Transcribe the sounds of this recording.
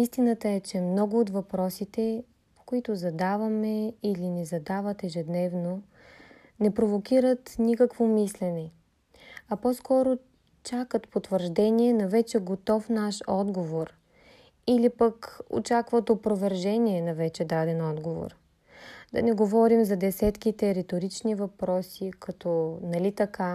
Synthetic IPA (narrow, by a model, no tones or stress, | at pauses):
ist̪inət̪əɛt͡ʃɛmnɔɡʊːt̪vɐpɾɔsit̪ɛ | po̥koit̪ʊzɐd̪avɐmɛilinɛzɐd̪avət̪ɛʒɛd̪nɛvno | nɛpɾovokʲiɾət̪nikəkvomislɛnɛ | ɐpɔskɔɾo | t͡ʃakət̪pot̪vəɾʒd̪ɛnʲiɛnɐvɛt͡ʃɛɡot̪ɔfnaʃɔd̪ɡovoɾ | ilipəko̰t͡ʃakvɐt̪opɾovɛɾʒɛnʲiɛnɐvɛt͡ʃɛd̪ad̪ɛnɔd̪ɡovo̰ɾ | d̪ɐ̰nɛɡovɔɾimzɐd̪ɛsɛt̪kit̪ɛɾɛt̪oɾit͡ʃnivɐpɾɔsikɐt̪ɔnɐlit̪ɐka